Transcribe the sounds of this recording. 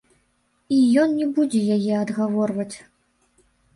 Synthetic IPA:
ijɔnnʲɛbud͡zʲɛjajɛɐd̪ɣavɔrvɐt͡sʲ

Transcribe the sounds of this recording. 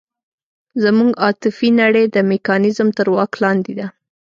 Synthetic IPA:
zamuŋɡɑt̪ɪfinaɽəjd̪əmekɑnɪzmt̪əɾwɑklɑnd̪ɪd̪a

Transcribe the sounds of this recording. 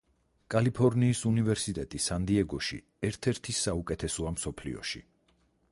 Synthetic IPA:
kʼalipʰɔɾniːsunivɛɾsit̪ʼɛt̪ʼisand̪iɛɡɔʃḭ | ɛɾt̪ʰɛɾt̪ʰisaukʼɛt̪ʰɛsɔamsɔpʰlḭɔ̰ʃḭ

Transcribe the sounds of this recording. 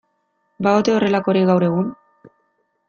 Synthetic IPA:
baot̪e̞o̞re̞lako̞ɾiɣawɾe̞ɣ̞un

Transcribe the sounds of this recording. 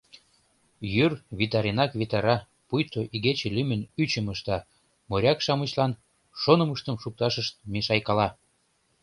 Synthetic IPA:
jyrβit̪ɑɾʲenɑkβit̪ɑɾɑ | pujt̪oʔiɣet͡ɕĕlymənyt͡ɕəməʃt̪ɑ | moɾʲɑkʃɑmət͡ɕlɑn | ʃonəməʃt̪əmʃuk̚t̪ɑʃəʃt̪̚meʃɑjkɑlɑ

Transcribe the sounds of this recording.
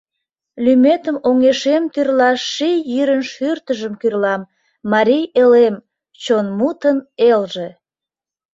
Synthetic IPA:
lymet̪əmoŋeʃemt̪yrlɑʃijyɾənʃyrt̪əʒəmkyrlɑmː | ɑɾijelem | t͡ɕonmut̪ənelʒe

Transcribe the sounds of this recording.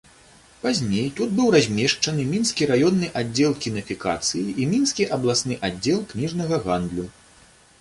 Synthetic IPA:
pazʲnʲejt̪ud̪bɨwrazʲmʲɛʂt͡ʂɐnɨmʲinskʲiɾajɔnːɨʔadd͡zʲːɛlˠkʲinɐfʲika̰t̪sɨjiʔimʲinskʲiʔɐblˠasnɨʔad͡zʲːɛlˠknʲiʐnɐɣɐɣand̪lʲu

